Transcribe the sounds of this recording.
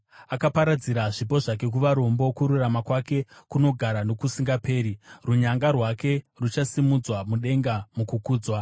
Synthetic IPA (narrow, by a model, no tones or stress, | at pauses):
akapaɾad͡ziɾaʐipo̞ʐake̞k̬uʋaɾo̞mbo̞kuɾuramakwake̞kuno̞ɡʱaɾano̞kusiŋɡape̞ːɾiruɲaŋɡarwake̞ | rut͡ʃasimud͡zwamuɗe̞ŋɡamukukuːd͡zwa